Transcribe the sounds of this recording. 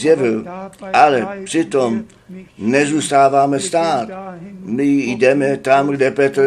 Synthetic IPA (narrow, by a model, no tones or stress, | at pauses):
jɛvɪlʔalɛpr̥ɪt̪om | nɛzuːst̪aːvaːmɛst̪aːt̪mɪjdɛmɛt̪amɡdɛpɛt̪ɾ